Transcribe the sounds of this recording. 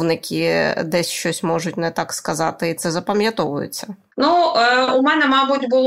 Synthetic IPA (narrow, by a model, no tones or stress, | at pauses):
nɪkʲʰid̪ɛsʲʃt͡ʃɔsʲmɔʒʊtʲnɛt̪ɑkskɐzɑt̪ɪit̪sɛzɐpɐmʲjɐt̪ɔʋʊjʊ̰t͡sʲːɐ | nuʊmɛnɛmɑbʊtʲbʊlˠ